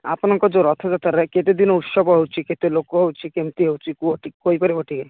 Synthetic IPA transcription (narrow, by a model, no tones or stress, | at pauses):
a̰pnɔŋkɔd͡ʒoɾɔt̪ʰɔd͡ʒat̪aɾɛket̪ed̪inɔut̪ʃɔbɔɦewt͡ʃʰiket̪elokɔɦewt͡ʃʰikemt̪iɦewt͡ʃʰikuoʈikoipɔɾioʈiɡaj